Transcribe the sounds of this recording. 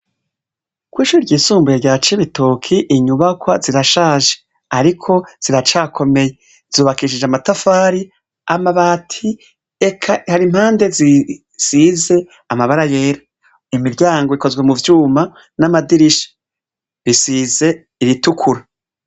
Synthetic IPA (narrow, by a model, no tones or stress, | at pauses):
kwiːʃuːɾiɾɟiːsuːmbujeɟaːt͡ʃiβitʰokʰiʔiɲuβakwaziɾaʃaːʒe̥ | aɾikʰo̞z̥iɾat͡ʃaːkʰo̞me̞je̞ | z̥uːβakiʃ̬id͡ʒeamatafaːɾi | amaβaːtʰi | ekʰahaɾim̥haːnde̞zi | size̞ | amaβaɾaje̞ːɾa | imiɾɟaːŋɡoiko̞zɡwe̞muvjuːma | namadiɾiʃḁ | βisize̞ | iɾitukʰuɾa